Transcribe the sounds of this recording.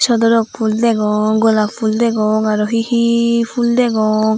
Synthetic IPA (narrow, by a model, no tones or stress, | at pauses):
ʃɔd̪ɔɾɔk̚pʰuld̪ɛɡɔŋɡɔlapʰuld̪ɛɡɔŋaɾɔɦihipʰuld̪ɛɡɔŋ